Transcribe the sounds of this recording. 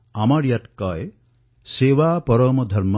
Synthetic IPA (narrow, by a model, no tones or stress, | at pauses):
amaɾjaʈkɔe | seʋaːpɔɾɔmɔd̪ʱɐɾm